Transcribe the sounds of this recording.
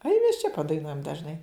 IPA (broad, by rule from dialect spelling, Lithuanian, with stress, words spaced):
ɐɪ mʲɛs t͡ʃʲɛ pɐdɐɪˈnuɔjɛm dɐʒˈnɐɪ